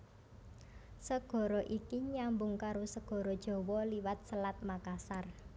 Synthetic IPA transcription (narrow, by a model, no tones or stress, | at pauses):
səɡ̥ɔ̤ɾɔʔikiɲambʊŋkaɾosəɡ̥ɔ̤ɾɔd̥ʒ̥ɔ̤wɔliwat̪̚səlat̪̚makasar